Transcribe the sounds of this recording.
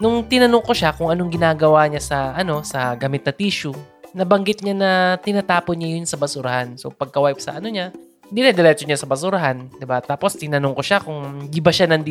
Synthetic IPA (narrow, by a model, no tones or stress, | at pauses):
nʊŋt̪ɪnɐnoŋko̞ʃakʊŋʔɐnoŋɡɪnaːɡɐwaɲasɐʔɐno̞sɐɡamɪt̪nɐt̪iːʃʊnɐbɐŋɡɪt̪̚ɲanɐt̪ɪnat̪aːponɲajʊnsɐbɐsʊɾɐhanso̰pɐɡ̚kɐwaʔɪp̚sɐ̰ʔɐno̞ɲa | hɪnd̪ɪnɐd̪ɛɾɛt͡ʃ̪oɲasɐbɐsʊɾɐɦand̪ɪbat̪aːpo̞st̪ɪnɐnoŋkoʃakʊŋnd̪ibɐʃanɐnd̪